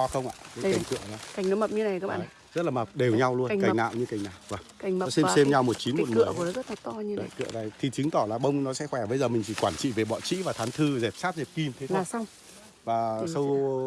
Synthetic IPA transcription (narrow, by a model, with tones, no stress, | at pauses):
ɔ˨˦xə˧wŋ͡mʔa̰ː˧˨kə˨˦˧a˨˩ŋ̟kɨ̰˧˨əlaː˨˦ka˨˩jŋ̟nɔ˨˦mə˨˩p̚ɲɨ˧na˨˩jkaː˦k̚ɓa̰ː˧˨˩ | zə˦˥t̚laː˨˩mə˨˩p̚ɗe˨˩wɲa˧wlu˧əka˨˩ŋna̰ː˧˨wɲɨ˧ka˨˩jŋ̟naː˨˩wvaː˨˩ŋkɔ˨˦sɛ˧mse˧mɲa˧wmo˨˩t̚t͡ɕi˨˦nm˧˨˩t̚ɨ̰˧˨˩əknɔ˨˦zə˦˥t̚na˨˩t̪ɔ˧ɲɨ˧ɗkɨ̰˧˨əzaː˨˩jt̪ʰi˨˩t͡ɕɨ˨˦ŋt̪ɔ˧˩laː˨˩ɓə˧wŋ͡mnɔ˨˦sɛ̰˧˥xwɛ˧˩ɓəː˨˦zəː˨˩mï˨˩ŋ̟t͡ɕʰi˧˩kwaː˧˩nt͡ɕḭ˧˨ve˨˩ɓɔ̰˧˨nt͡ɕḭ˧˥vaː˨˩t̪ʰaː˨˦nt̪ʰɨ˧zɛ˨˩p̚saː˦˥t̚zɛ˨˩p̚ki˧nt̪ʰe˨˦aː˨˩sa˧wŋ͡m | vaː˨˩sə˧w